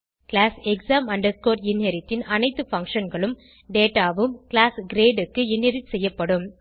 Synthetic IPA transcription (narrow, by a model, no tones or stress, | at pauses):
kɪlaːsɛksaːmɐɳɖɐɾskoːɾɪnɦɐɾɪt̪ːɪnɐnɐɪt̪ːɯfɐŋkʂɐnɡɐɭɯm | ɖeːʈːaːʋɯmklaːsɡɾeːɖɯkːɯɪnːɛɾɪt͡ʃsɛjːɐpːɐɽɯm